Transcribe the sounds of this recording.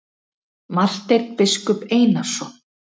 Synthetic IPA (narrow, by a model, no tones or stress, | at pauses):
mar̥t̪ejɾt̪̚pɪskʏpeːjnasɔ